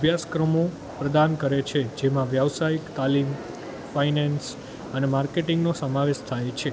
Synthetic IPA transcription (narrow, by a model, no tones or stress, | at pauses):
əbʱjaskɾəmõ | pɾəd̪ankəɾet͡ʃʰed͡ʒemãʋjaʋsaikt̪alim | fainɛns | ənemaɾkeʈiŋɡnosəmaʋeʃt̪ʰajt͡ʃʰe